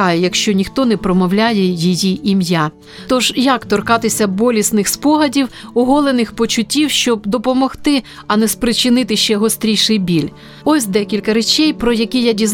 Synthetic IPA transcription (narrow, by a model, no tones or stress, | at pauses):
ɑjɛjɐkʃt͡ʃɔnʲixt̪ɔnɛpɾɔmɔwlʲajɛjijiʔimja | t̪ɔʒjakt̪ɔrkɑt̪ɪsʲɐbɔlʲisnɪxspɔɦɐdʲiwʊɦɔlˠenɪxpɔt͡ʃʊtʲːiwʃt͡ʃɔb̚d̪ɔpɔmɔxt̪ɪ | ɐnɛspɾɪt͡ʃɪnɪt̪ɪʃt͡ʃɛɦɔst̪ɾʲijʃɪjbʲilʲ | ɔsʲd̪ɛkʲilʲkɐɾet͡ʃɛjpɾɔjɐkʲijadʲiz